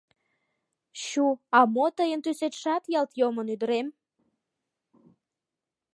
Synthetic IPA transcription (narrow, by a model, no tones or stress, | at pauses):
ɕuɑmot̪əjənt̪yset̪ʃɑt̪jɑlt̪jomənyd̪əɾem